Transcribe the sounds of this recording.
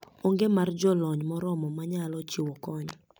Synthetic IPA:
oŋɡemard͡ʒɔlɔɲmɔɾɔmɔmaɲalɔt͡ʃɪwɔkɔɲ

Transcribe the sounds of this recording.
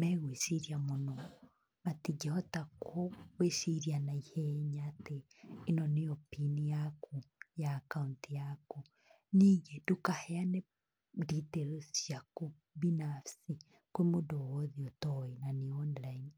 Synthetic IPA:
mɛɣwesiɾiamonɔ | matid͡ʒeɔtakʰoɣwesiɾianaiheɲateː | nɔneopinijakʰujaːkauntijaku | niːŋɡedukahɛane | diteɾosjaku | binafsi | kwemodɔɣɔðiɔtɔenaniɔnlain

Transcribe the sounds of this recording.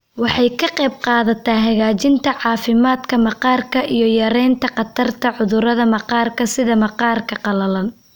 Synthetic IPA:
wɑħɑjkʰɐqɛjb̚qɑːðɐt̪ʰaːɦɐɣaːt͡ʃɪnt̪ʰɐʕɑːfɪmaːd̪kʰɐmɑqɑːrkʰɐʔijɞjɐɾɛjnt̪ʰɐqɑt̪ʰɐrt̪ʰɐʕʊðʊɾɐðɐmɑqɑːrkʰɐsɪðɐmɐqɑːrkʰɐqɑlɐlɐn

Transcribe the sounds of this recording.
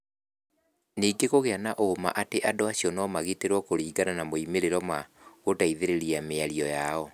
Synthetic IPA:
niːɡeɣoɣeanaʔoːma̰ʔateʔadoaɕiɔnɔːmaɣiteɾwɔkoɾiːɡananamoimeɾeɾɔma | ɣotaiðeɾeɾiameaɾiɔjaɔ

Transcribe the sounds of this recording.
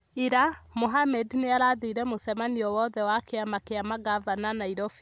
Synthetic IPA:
iɾamoɦamɛdneaɾaðiɾɛmosɛmaniɔwɔðɛwakeamakeamaɡavananaiɾɔfi̥

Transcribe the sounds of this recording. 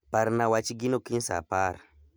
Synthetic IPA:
paɾnawat͡ʃiɡinokinsa̰paɾ

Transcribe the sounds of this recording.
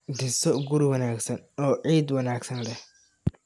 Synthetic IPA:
dɪsɔɡʊɾwɐnaːɡsɐnɔːʕiːd̪wɐnaːɡsɐnlɛh

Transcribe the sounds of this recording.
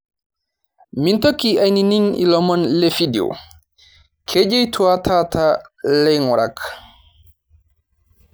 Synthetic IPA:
mintokːiajnininḭlɔmɔnlefidio̰ | kʰed͡ʒɛjtʰuwatʰatʰalɛjŋɔɾa̰k

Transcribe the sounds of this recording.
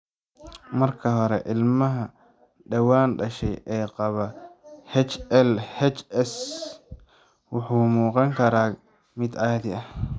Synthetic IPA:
mɐrkʰɐɦɔɾɛʔɪlmɐɦɐ | ɖɐwaːnɖɐʃɛjʔɛːqɑβɐhɛt͡ʃɛlhɛt͡ʃɛs | wʊħuːmuːqɑŋkʰɐɾaː | mɪd̪ɐjɐd̪ɪɐh

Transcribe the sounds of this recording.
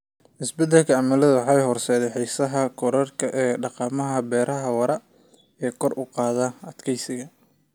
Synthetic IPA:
ʔɪsbɛd̪ːɛlkʰɐɐmɐlɐðɐwħɑjɦɔrsɛːðɛjħisɐɦɐkʰɔɾɐrkʰɐʔɛːɖɑqɑːmɐɦɐbɛːɾɐɦɐwɐɾɐ | ɛːkʰɔrʔʊqɑːðɐɐd̪kʰɛjsɪɣɐ

